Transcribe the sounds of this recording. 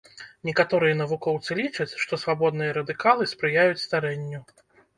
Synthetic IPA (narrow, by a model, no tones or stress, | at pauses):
nʲɛkat̪ɔɾɨjɐn̪ɐvukɔwt̪sɨlʲit͡ʂɐt͡sʲʂt̪ɔsvabɔd̪nɨjɐɾɐd̪ɨkalˠɨspɾɨjajut͡sʲst̪aɾɛnʲːu